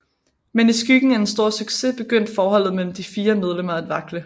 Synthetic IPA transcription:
menisɡ̥yɡ̥n̩æensd̥o̝ɐ̰syɡ̥se̝b̥e̝ɡ̥øn̰d̥fɒːhɒ̽l̰ð̩ˠmel̰m̩d̥ifiːɐmeð̞ˠlem̰ɐæd̥ʋɑ̈ɡ̥lə

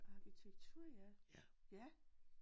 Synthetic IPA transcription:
ɑ̈kit͡sʰeɡ̥̚t͡sʰuɐ̰jæjæ

